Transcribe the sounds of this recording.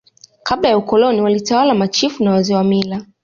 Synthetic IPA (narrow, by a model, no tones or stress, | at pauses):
kablajaukɔlɔniwalitawalamat͡ʃifunawazɛwamila